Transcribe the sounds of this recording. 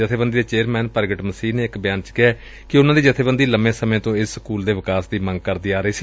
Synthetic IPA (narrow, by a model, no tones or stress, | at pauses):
d͡ʒət̪ʰeːbənd̪iːd̪eːt͡ʃeːɾmɛ̃ːnpəɾɡəʈməsiːneːɪkbɪjaːnt͡ʃkɪɛː | kɪʊnãːd̪iːd͡ʒət̪ʰeːbənd̪iːləmẽːsəmẽːt̪õːɪsːkuːld̪eːʋɪkaːsd̪iːmə̃ŋɡ̚kəɾd̪iːaːɾəiːsiː